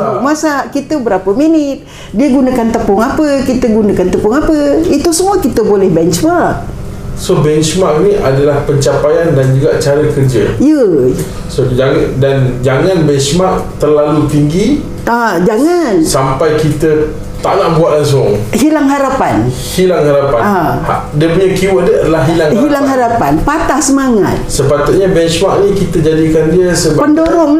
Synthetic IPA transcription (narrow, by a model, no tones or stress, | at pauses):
masaʔkit̪əbəɾapəminɪt̪̚ | diəɡunakant̪əpʊŋapəkit̪əɡunakant̪əpʊŋapəit̪usəmuəkit̪əbolɛhbɛnt͡ʃmaʔ | sobɛnt͡ʃmaʔinĩʔadalahpəɲt͡ʃapajandand͡ʒuɡaʔt͡ʃaɾəkərd͡ʒaiə | sod͡ʒadand͡ʒaŋãnbɛnt͡ʃmaʔt̪ərlalut̪iŋɡi | ad͡ʒaŋansampajkit̪ə | t̪a̰ʔnaʔbuat̪̚las̬ɔŋhilaŋɦaɾapan | hilaŋhaɾapanaa | diəpuɲakiwadəadalahɦilaŋɦilaŋɦaɾapanpat̪ahsəmaŋa̰t̪̚səpat̪ʊt̪̚ɲabɛnsmaʔnĩkit̪ad͡ʒadikandiəsəbapəndoɾɔŋ